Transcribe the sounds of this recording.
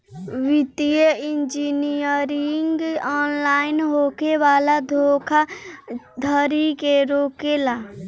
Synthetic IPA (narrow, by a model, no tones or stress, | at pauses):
ʋit̪ijəind͡ʒinijəɾiŋɡɔːnlaːɪnɦokeʋaːlad̪ʱokʰa | d̪ʱəɾikeɾoːkela